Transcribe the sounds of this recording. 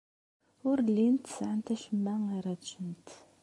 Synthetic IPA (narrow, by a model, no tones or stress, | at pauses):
ʊɾlːint̪ə̥sʕənt̪æʃəmːæŋaɾat͡ʃːənt̪